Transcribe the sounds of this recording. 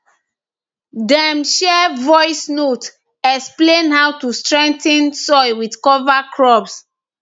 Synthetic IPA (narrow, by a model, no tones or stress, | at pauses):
dɛ̃mʃɛvɔɪsnot | ɛksplẽnhawtustɹɛ̃ŋ̚tɛ̃nsɔjwidkɔvakʰɹɔps